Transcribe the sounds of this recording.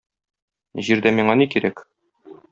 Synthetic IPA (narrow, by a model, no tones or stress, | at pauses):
ʑiɾd̪æmiɴɑnikiɾæk